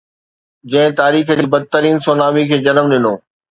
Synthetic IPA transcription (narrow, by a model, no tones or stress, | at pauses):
d͡ʑɐ̃ɦɪ̃t̪aːɾiːxibɐd̪̚t̪əɾiːnsoːnaːʋikʰeːd͡ʑɐnəmɗɪnoː